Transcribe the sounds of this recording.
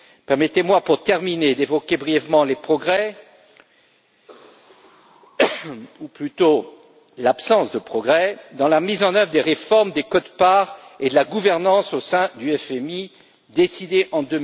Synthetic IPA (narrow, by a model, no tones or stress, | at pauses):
pɛʁmɛt̪emwapuʁt̪ɛʁmined̪evɔkʲebʁijɛvmɑ̃lepχɔɡʁɛ | uplyt̪o | lapsɑ̃sd̪əpχɔɡʁɛd̪ɑ̃lamizɑ̃nœvʁəd̪eʁefɔʁmd̪ekɔd̪paʁed̪əlaɡuvɛʁnɑ̃sosɛ̃d̪yɛfɛmi | d̪esid̪eʔɑ̃d̪ø